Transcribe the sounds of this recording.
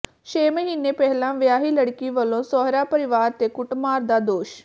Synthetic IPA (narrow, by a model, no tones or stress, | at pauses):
ʃeːməɦiːneːpɛɦlãːʋjaːɦiːləɽkiːʋəlõːsɔːɦɾaːpəɾɪʋaːɾt̪eːkʊʈmaːɾd̪aːd̪oːʃ